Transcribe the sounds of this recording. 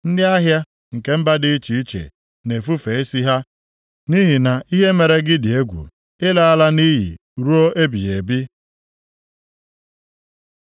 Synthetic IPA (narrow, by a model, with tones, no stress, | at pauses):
n̩˦dɪ˦a˦ɦja˦ | ŋ̩˨ke˦m̩˦ba˦dɪ˦t͡ʃi˨i˦t͡ʃḛ˨ | ne˨fu˦fe˨e˦si˦ɦa˦ | ni˦ɦi˨na˨i˦ɦe˦me˨ɾe˦ɡɪ˦dɪ˨e˦ɡʷṵ˨ | ɪ˦la˨a˦la˦ni˦jḭ˨ | ɾu˦o˦ʔe˦bi˨je˨bi˦